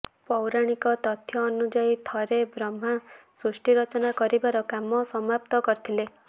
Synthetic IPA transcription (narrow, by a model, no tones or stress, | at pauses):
pɔwɾaɽ̃ikɔt̪ɔt̪ʰjɔːnud͡ʒait̪ʰɔɾebɾɔm̤asɾusʈiɾɔt͡ʃɔnakɔɾibaɾɔkamɔsɔmap̚t̪ɔkɔɾit̪ʰile